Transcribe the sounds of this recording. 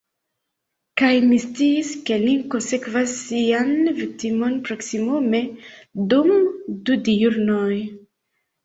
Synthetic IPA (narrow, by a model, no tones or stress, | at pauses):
kajmist͡siːskelikonsekvasːianvik̚timonpɾoksimomedumd̪udijuɾnoj